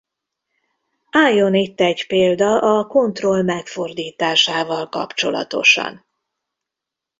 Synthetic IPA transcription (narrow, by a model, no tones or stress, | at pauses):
aːjːo̞nit̪ːɛɟpeːld̪ɒʔɒko̞nt̪ro̞lmɛkfo̞rd̪iːt̪aːʃaːvɒlkɒ̰pt͡ʃo̞lɒ̰t̪o̞̰ʃɒ̰n